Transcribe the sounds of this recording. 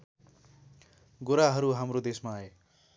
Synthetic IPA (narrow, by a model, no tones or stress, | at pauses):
ɡoɾaɦʌɾuɦamrod̪esmaːe